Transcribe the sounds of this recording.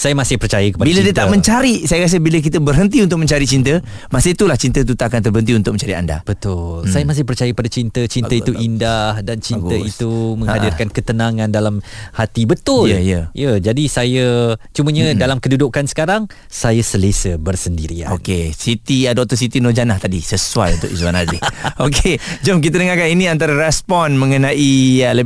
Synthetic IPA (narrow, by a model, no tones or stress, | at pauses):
sajəmasɪhpərt͡ʃajəkə̥pabilədiət̪amə̃ɲt͡ʃaɾisajəkas̬əbilək̬it̪əbərɦənt̪iunt̪̬ʊk̚mə̃ɲt͡ʃaɾit͡ʃint̪ə | masət̪ulaht͡ʃint̪ət̪̬ut̪aakant̪ərbəɦənt̪̬iunt̪ʊkmə̃ɲt͡ʃaɾia̰nda̰b̥ət̪ʊlsajəmas̬ɪhpərt͡ʃajəkəpadat͡ʃint̪ət͡ʃinəit̪uʔindahdant͡ʃinɡəit̪umə̃hadɪrkankət̪ənaŋãndalamhat̪ibət̪ʊljəjəd͡ʒadisajət͡ʃuməɲə̃dalamkədudukansə̥kaɾaŋ | sajəsəlesəbərsəndiɾia̰okesit̪iədɔk̚t̪əsit̪inod͡ʒanaht̪adisəsua̰junt̪ʊ̰kizuanazɪoked͡ʒomk̬it̪ənəŋakaninĩant̪aɾaɾɛspɔnmə̃ŋənaʔilə